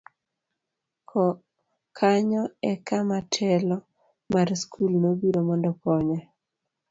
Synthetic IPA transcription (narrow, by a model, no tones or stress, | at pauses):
kʰɔ | kʰaɲɔɛkamatʰɛlɔ | maɾskʰulnobiɾomɔndɔkɔɲa